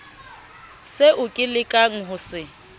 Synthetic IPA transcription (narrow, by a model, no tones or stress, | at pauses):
seʔʊkʼɪlɪkʼaŋ̩ɦʊsɪ